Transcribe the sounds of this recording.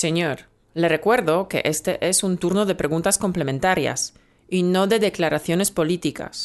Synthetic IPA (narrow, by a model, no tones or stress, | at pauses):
se̞ɲo̞ɾ | le̞re̞kwe̞ɾðo̞ke̞̰ʔe̞st̪e̞ʔe̞sunt̪uɾno̞ðe̞pɾe̞ɣunt̪asko̞mple̞mẽ̞nt̪aɾja̰s | ino̞ðe̞ðe̞klaɾaθjo̞ne̞spo̞lit̪ika̰s